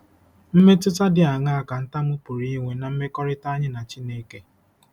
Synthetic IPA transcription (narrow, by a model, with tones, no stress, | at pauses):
m̩˦me˦tʊ˦ta˦dɪ˨a˨ŋa˦a˦ka˨n̩˦ta˦mʊ˦pʊ˨ɾi˦ŋʷe˨na˨m̩˦me˦kɔ˦ɾɪ˦ta˦ɲɪ˦na˨t͡ʃi˦neː˦ke˦